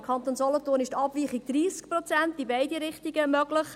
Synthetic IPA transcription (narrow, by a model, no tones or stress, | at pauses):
kχɑnt̪oːnsɔlɔtʊːnɪʃtɑbviːχiɡ̚d̥̪riːsk̚prɔt͡sɛntibaɪdiɾɪχtiɡəmœɡ̥lɪχ